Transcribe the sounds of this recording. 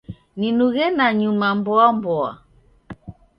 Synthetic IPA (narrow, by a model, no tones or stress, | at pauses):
ninuɣɛnaɲumambɔambɔa̰